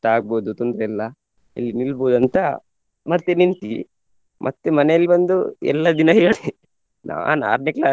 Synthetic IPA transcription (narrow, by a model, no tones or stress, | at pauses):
ʈaːɡ̚boːd̪ut̪und̪ɾɛlːɐ | ɐ̰lːinilboːd̪ɐnt̪ɐ | mɐɾt̪enint̪i | mʔɐt̪ːemɐnɛjɐlːibɐnd̪uɛ̰lːɐd̪inɐɦiɡɐɭi | na̰ːʋa̰ːna̰ːɾneklaː